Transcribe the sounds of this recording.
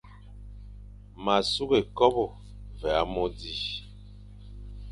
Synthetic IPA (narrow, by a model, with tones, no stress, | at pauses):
ma˨su˦ɣe˨kɔ˦bo˨ | vɛ˨a˨˦mo˦di˦˨